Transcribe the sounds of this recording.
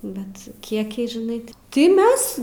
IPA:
ˈbʲɛt ˈkʲiɛkʲɛɪ ʒʲɪˈnɐɪ ˈtʲɪ tʲɪ ˈmʲɛs

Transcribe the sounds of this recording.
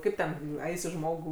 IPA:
ˈkɐɪp tʲɛn ˈɐɪsʲɪ ˈʒmoːɡuː

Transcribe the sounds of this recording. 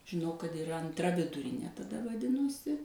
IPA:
ʒʲɪˈnɐʊ kɐt ɪˈrɐ ɐnˈtrɐ ʋʲɪdʊˈrʲɪnʲeː tɐˈdɐ ʋɐˈdʲɪnoːsʲɪ

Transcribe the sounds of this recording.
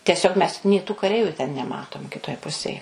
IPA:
tʲɛˈsʲoːk mʲɛs nʲeː tuː kɐˈrʲɛɪʋʲʊ tʲɛn nʲɛˈmɑːtoːm kʲɪˈtoːj ˈpʊsʲeːj

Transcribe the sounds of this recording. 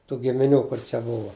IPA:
tuː ɡʲɪmʲɪˈnʲuː ˈkʊr t͡ʃʲɛ ˈbʊʋɐ

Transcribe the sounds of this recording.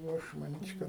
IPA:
jɛʊ ˈɐʃ mɐˈnʲiːt͡ʃʲ ˈkɐt

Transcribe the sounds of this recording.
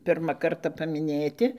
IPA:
ˈpʲɪrmɐ ˈkɐrtɐ pɐmʲɪˈnʲeːtʲɪ

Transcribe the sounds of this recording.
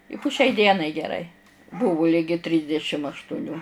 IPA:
ɪ pʊ ʃʲɛɪ ˈdʲiɛnɐɪ ɡʲɛˈrɐɪ ˈbuːʋʊ ˈlʲɪɡʲɪ ˈtʲrʲiːzʲdʲɛʃʲɪm ɐʃtʊˈnʲuː

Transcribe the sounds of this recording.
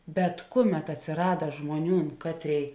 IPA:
bʲɛt ˈkʊˌmʲɛt ɐtʲsʲɪˈrɑːdɐ ˈʒmuɔˌnʲuːn ˈkɑːtʲˌrʲeːɪ

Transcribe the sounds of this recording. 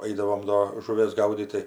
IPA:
ˈɐɪdɐʋoːm doː ʒʊˈʋʲeːs ˈɡɐʊdʲiːt tɐɪ

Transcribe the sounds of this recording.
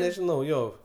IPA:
nʲɛʒʲɪˈnɐʊ ˈjoː

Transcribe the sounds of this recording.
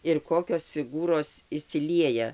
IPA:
ɪr ˈkoːkʲoːs fʲɪˈɡuːroːs ɪʃʲsʲɪˈlʲiɛjɛ

